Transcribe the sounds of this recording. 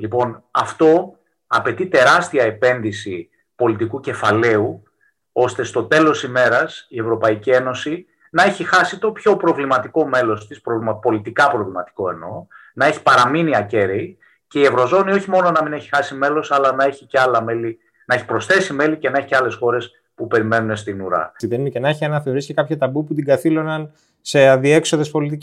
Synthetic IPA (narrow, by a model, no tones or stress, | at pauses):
lipo̞nɐft̪o̞ | ɐpe̞t̪it̪e̞ɾɐst̪iɐe̞pe̞nðisi | po̞lit̪ikuce̞fɐle̞u | o̞st̪e̞st̪o̞t̪e̞lo̞sime̞ɾɐsie̞vɾo̞pɐicie̞no̞si | nɐe̞çixɐsit̪o̞pço̞pɾo̞vlimɐt̪iko̞me̞lo̞st̪ispɾovlmɐpo̞lit̪ikɐpɾo̞vlimɐt̪i̥ko̞e̞no̞̰ | nɐe̞çi̥pɐɾɐminiɐce̞ɾei | ce̞ie̞vɾo̞zo̞nio̞çimo̞no̞nɐmine̞çi̥xɐsime̞lo̞sɐlɐnɐeçiceɐlɐmeli | nɐe̞çi̥pɾo̞sθe̞sime̞lice̞nɐe̞çi̥ceɐle̞sxo̞ɾe̞s | pupe̞ɾime̞nune̞st̪inuɾɐ̰iðeninecenɐeçiɐnɐθeɾiscekɐpçɐt̪ɐbuput̪iɡɐθilo̞nɐn | se̞ɐðie̞kso̞ðe̞spo̞lit̪ic